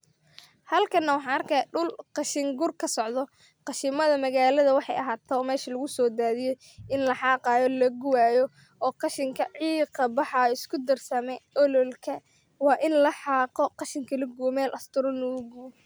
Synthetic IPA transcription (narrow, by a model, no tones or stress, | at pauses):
hɐlkʰɐnːɐwɑħɑːnɐrkʰɛɖʊlqɑʃɪŋɡʊrkʰɐsɔʕd̪ɔ | qɑʃɪmɐðɐmɐɣaːlɐðɐwɑħɑ̰jɐɦaːt̪ʰːɔːmɛːʃɐlʊɣʊsɔːd̪aːðɪjɔ | ɪnlɐħɑːqɑːjɔlɐɡʊwaːjɔ | ɔːqɑʃɪŋkʰɐʕiːqɐbɑħɑɪskʰʊd̪ɐrsɐmɛɔlɔlkʰɐ | wɑːʔɪnlɐħɑːqɔqɑʃɪŋkʰɐlɐɡuwmɛːlʔɐst̪ʰʊɾɔnɔʊɡʊwɔ